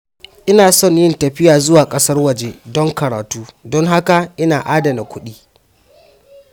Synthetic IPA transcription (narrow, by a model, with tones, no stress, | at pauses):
ʔɪ˦naː˨sɔ˦˨ɲjɪ˦ntɐ˨ɸɪ˦jaː˨zʊ˦waː˨kʼɐ˦sɐ˦rwɐ˨d͡ʒe˦dɔ˦ŋkɐ˨ɽaː˨tuː˦dɔ˦ŋɦa˦ka˨ʔɪ˦naː˨ʔaː˦dɐ˨na˨kʷʊ˦ɗiː˦